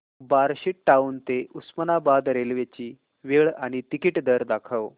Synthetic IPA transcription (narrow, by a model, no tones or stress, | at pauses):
baɾɕiʈːaunt̪eusmənabad̪ɾelʋet͡ɕiː | ʋeɭaɽ̃it̪ikiʈd̪əɾd̪akʰəʋ